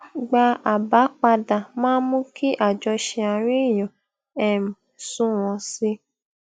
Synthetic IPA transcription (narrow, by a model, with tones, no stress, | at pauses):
ɡ͡ba˧a˨ba˨˦k͡pa˧da˨mãː˦mũ˦kʰi˦ʔa˦˨d͡ʒɔ˧ʃɛ˧a˧ɾ̃ĩ˦˨jɔ̃˨ | ɛ˨m˨sũ˦w̃ɔ̃˧si˧˦